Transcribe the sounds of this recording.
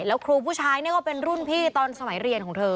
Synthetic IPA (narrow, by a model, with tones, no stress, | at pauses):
lɛː˦˥wkʰɾuː˧pʰuː˥˩t͡ɕʰaː˦˧˥jni˥˩ɐkɔː˥˩pe˧nɾu˥˩npʰiː˥˩t̪ɔː˧nsa˧ma˨˩˦jɾi˧ənkʰɔː˩˦ŋt̪ʰɤː˧